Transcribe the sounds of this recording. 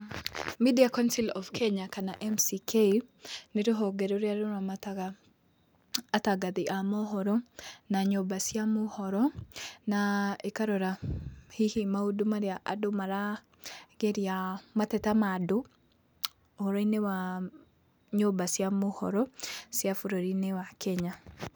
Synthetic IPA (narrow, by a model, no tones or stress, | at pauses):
midiakɔnsilɔfkʰeɲakanaʔɛmsikʰejnɪɾɔɦɔɡeɾoɾjaɾʊɾamat | ataɡad̪ɪʔamɔɦɔɾɔnaɲobasjamʊhɔɾɔnaikaɾɔɾahihimaodomaɾeaʔadomaɾa | ɡɛɾiamatɛtamado | ɔɾɔinewa | ɲobasjamohɔ̰ɾɔsjafoɾɔɾinewakɛɲa